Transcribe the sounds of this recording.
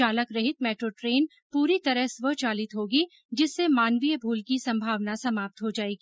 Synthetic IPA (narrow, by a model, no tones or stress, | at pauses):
aːləkɾɐɦɪt̪mɛːʈɾoːʈɾeːn | puːɾit̪ɐɾəɦsʋət͡ʃaːlɪt̪ɦoːɡi | d͡ʒɪsːemaːnʋiəbʱuːlkisɐ̃mbʱaːʋnasɐmaːp̚t̪ɦod͡ʒaːeːɡi